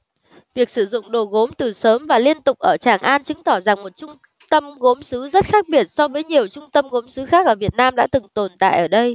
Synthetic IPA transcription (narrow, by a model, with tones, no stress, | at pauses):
vi˨˩ək̚sɨ˧˩zʊ̰˧˨ŋ͡mɗo˨˩ɣo˨˦mt̪ɨ˨˩səː˨˦mvaː˨˩li˧ənt̪ʊ˨˩k͡p̚ʔəː˧˩t͡ɕaː˧˩ŋʔaː˧nt͡ɕɨ˨˦ŋt̪ɔ˧˩za˨˩ŋmo˨˩t̚t͡ɕʊ˧ŋ͡m | t̪ə˧mɣo˨˦msɨ˨˦zə˦˥t̚xaː˦˥k̚ɓi˨˩ət̚sɔ˧vəː˨˦jɲi˨˩əwt͡ɕʊ˧ŋ͡mt̪ə˧mɣo˨˦msɨ˨˦xaː˦˥k̚ʔəː˧˩vi˨˩ət̚naː˧mɗa̰ː˧˥t̪ɨ˨˩ŋt̪o˨˩nt̪a̰ː˧˨jʔəː˧˩ɗə˧j